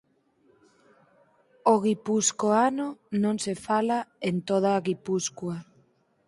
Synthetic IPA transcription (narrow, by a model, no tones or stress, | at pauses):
oɣipuskoanonõnsefalaent̪oð̞aːɣipuskwa